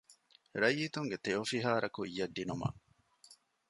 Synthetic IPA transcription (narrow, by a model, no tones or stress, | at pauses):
ɾɐjːit̪uŋɡet̪eofiɦaːɾɐkuijːɐɖ̪ːinumɐ̰